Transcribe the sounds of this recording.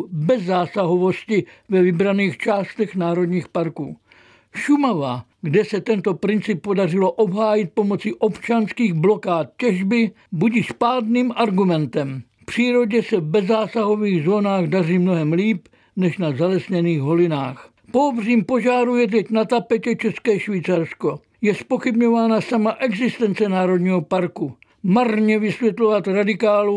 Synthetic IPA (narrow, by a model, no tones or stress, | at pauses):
bɛzːaːsaɦovo̞scɪvɛvɪbɾaniːxt͡ʃaːst̪ɛxnaːɾo̞d̪ɲiːxpaɾkṵː | ʃumava | ɡdɛsɛt̪ɛnt̪o̞pɾɪnt͡sɪpːo̞darɪloʔo̞bɦaːjɪt̪̚po̞mo̞t͡siʔo̞pt͡ʃanskiːɣblo̞kaːt̪̚cɛʒbɪ | buɟiʃpaːdniːmʔaɾɡumɛnt̪ɛm | pr̝̥iːɾo̞ɟɛsɛvbɛzaːsaɦo̞viːɣzoːnaːɣdariːmno̞ɦɛmliːp | nɛʃnazalɛsɲɛniːɣɦo̞lɪna̰ːx | poːbriːmpo̞ʒaːɾujɛt̪̬ɛcnat̪apɛcɛt͡ʃɛskɛːʃviːt͡saɾsko̞ | jɛspo̞xɪbɲo̞vaːnasamaʔɛɡzɪst̪ɛnt͡sɛnaːɾo̞d̪ɲiːɦopaɾku | marɲɛvɪsvʲjɛt̪lo̞vat̪ɾadɪkaːlu